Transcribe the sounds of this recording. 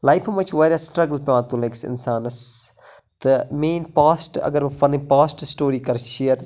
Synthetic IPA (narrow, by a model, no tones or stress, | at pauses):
lajfʰɐmɐt͡ʃʋɐːɾasʈɾɐɡəlpeãːt̪ũːleksɪ̰nsaːnɐs | d̪̥əmẽːnpaːsʈɐ̰ɡɐɾʋɐfɐnipaːsʈsʈoːɾiːkɐɾʃiəɾ